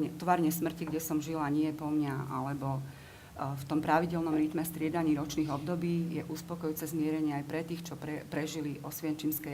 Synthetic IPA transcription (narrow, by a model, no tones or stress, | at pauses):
ɲɛt̪ʋaɾɲɛsmr̩ciɡɟɛsɔmʒilaɲɪɛpɔmɲaa̰lɛbɔ | ft̪ɔmpɾaʋiɟɛlnɔmɾit̪mɛst̪ɾɪɛd̪aɲiːɾɔt͡ʃniːɣɔb̚d̪ɔbiːjɛʔuspɔkɔjuːt͡sɛzmɪɛɾɛɲɪɛajpɾɛt̪iːxt͡ʃɔpɾɛpɾɛʒiliʔɔsʋɪɛnt͡ʃimskɛ